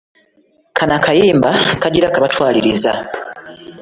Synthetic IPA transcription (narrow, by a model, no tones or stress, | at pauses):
kʰanakajiːmbakaɟiɾakaβatwaːliɾiza̰